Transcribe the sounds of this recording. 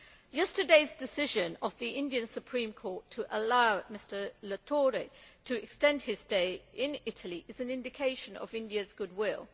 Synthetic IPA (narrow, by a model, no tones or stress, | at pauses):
jɛstə˞deɪzdɨsɪʒɨ̃nəvðiʔɪ̃ndiɨ̃nsɨpʰɹ̥ĩmkʰɔɹtʰəʔəlaʊmɪstə˞lətʰɔɹetʰəɪkstɛ̃nd̚ɪzdeɪɪ̃nɪɾʰəl̩ˠiʔɨzɨ̃nɪ̃ndɨkʰeɪʃɨ̃nə̰vɪ̃ndiɨzɡʊd̚wɪlˠ